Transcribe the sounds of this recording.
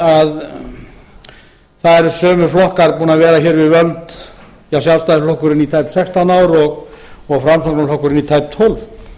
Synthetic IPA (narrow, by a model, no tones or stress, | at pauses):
að | θaðɛɾsœːmʏflɔhkaɾpuːnaðvɛːɾaçɛːɾvɪðvœlt̪ | jawsjawlst̪aðl̥ɔhkʏɾɪnit̪ʰajp̪sɛkst̪anaːwɾɔɣɔɣfɾamsɔt̪alɔhkʏɾɪnit̪ʰajpt̪ʰɔlv